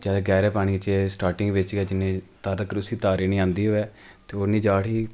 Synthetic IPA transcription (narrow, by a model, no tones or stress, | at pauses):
d͡ʒɛːdeːɡɛːɾɛːpaːɽ̃iːt͡ʃːsʈaːɾʈɪ̃ŋɡʋɪt͡ʃɡɛːd͡ʒɪnːẽːt̪aːɾəkɾʊsiːt̪aːɾiːnĩːãːnd̪iːɦoːɛːt̪eːoːnĩːd͡ʒaːɽiː